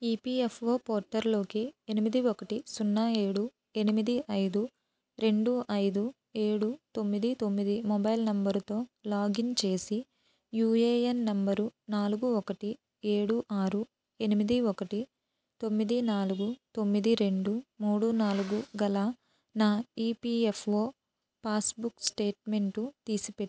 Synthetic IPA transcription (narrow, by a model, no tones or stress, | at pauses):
iːpiepʰo̞ːpoːɾʈːɐɾlo̞ːkienimid̪iɔkɐʈisunːae̞ːɽu | e̞nimid̪iʔɐjd̪u | ɾe̞ɳɖuɐjd̪u | e̞ːɽut̪o̞mːid̪it̪o̞mːid̪imɔbɐjlnɐmbɐɾt̪o̞ːlaːɡint͡ʃe̞ːsi | juːeːenːɐmbɐɾunaːluɡuɔkɐʈi | e̞ːɽuʔaːɾu | e̞nimid̪iɔkɐʈi | t̪o̞mːid̪inaːluɡut̪o̞mːid̪iɾe̞ɳɖumuːɽunaːluɡuɡɐla | naːiːpiːefʰoː | paːsbuksʈe̞ːʈme̞ɳʈut̪iːsipe